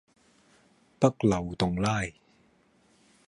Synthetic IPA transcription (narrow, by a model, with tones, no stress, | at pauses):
pɐ˥k̚lɐ˨˩wt̪ʊ˨ŋlaː˥˩j